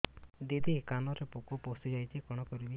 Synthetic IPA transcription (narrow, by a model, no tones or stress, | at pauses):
d̪id̪ʱikanɔɾepokɔposid͡ʒajt͡ʃʰikɔɽ̃ɔkɔɾibi